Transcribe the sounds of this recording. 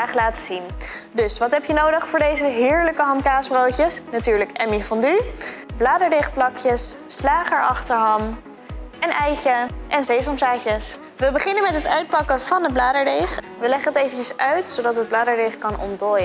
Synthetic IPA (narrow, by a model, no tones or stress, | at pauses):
aːχlaːtəzin | dɵsʋɑtɦɛpjənowdəχfʊːɹdejzəɦɪːɹləkəɦɑmkaːsbrowcəsnatyːɹləkɛmifɔndyblaːdəɹdɪχplɑkjəsːlaːχəɹʔɑχtəɹɦɑm | ɛnʔɛjcəʔɛnzejsɔmsaːcəs | ʋəbəχɪnənmɛtɦətœɥt̚pɑkəv̥ɑnəblaːdəɹdejχ | ʋəlɛχənɦətejvəncəsœɥtsowdɑtɦəd̚blaːdəɹdɪχkɑnʔɔ̰ndɔjə